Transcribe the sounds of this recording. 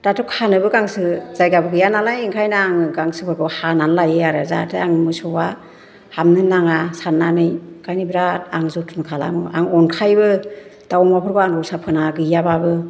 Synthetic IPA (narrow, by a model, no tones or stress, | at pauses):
tatʰɯkʰanɯbɯɡaŋsɯz̥ajɡabɯɡɯjanalajiŋkʰajnaŋɯɡaŋsɯpʰɯɾɡɔhananlajeaɾɯza̰tʰɯaŋmɯsɔwa | hamnɯnaŋasanːanɯjkajnibiɾaaŋzɔtʰunkʰala̰ŋɯʔa̰ŋɔnkʰajbɯd̥awɔŋmapʰɯɾɡɔaŋɡɔwsapʰɯnaɡɯjababɯ